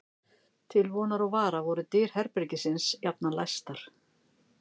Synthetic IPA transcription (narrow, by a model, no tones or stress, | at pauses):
t̪ʰɪlvɔːnaɾɔɣvaːɾavɔɾʏt̪ɪːɾ̥hɛɾpɪɾcɪsɪnsjap̚nalajst̪aɾ̥